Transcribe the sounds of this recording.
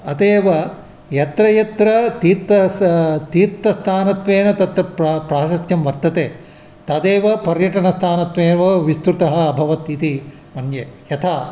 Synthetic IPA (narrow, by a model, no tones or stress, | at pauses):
ɐt̪eːʋɐ | jɐt̪ɾɐjɐt̪ɾɐt̪iːt̪ɐt̪iːt̪ːɐst̪ʰaːnɐt̪ʋeːnɐt̪ɐt̪ɾɐppɾaːʃɐst̪jɐmʋɐɾt̪ːɐt̪eː | t̪ɐd̪eːʋɐpɐɾjɐʈɐnɐst̪ʰaːnɐt̪ʋeːʋɐʋist̪ɾut̪ɐɦɐːbʱɐʋɐt̪it̪i | mɐnjejɐt̪ʰaː